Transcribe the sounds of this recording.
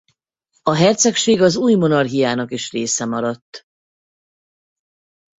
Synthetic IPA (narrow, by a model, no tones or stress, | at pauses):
ɒɦɛrt̪sɛkʃeːɡɒzuːjmo̞nɒrɦijaːnɒkiʃreːsɛmɒɾɒt̪ː